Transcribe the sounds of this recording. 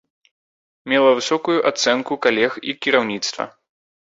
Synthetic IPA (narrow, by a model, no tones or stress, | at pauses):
mʲɛlˠɐvɨsɔkujuʔat̪sɛnkukalʲɛxikʲiɾawnʲit̪st̪vɐ̰